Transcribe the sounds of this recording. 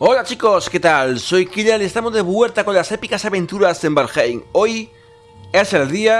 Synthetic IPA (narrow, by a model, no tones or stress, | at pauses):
olat͡ʃikosket̪alsojkiʎelest̪amozðeβweɾt̪akonlasepikasaβẽnt̪uɾasembeɾxejŋoj | eselðia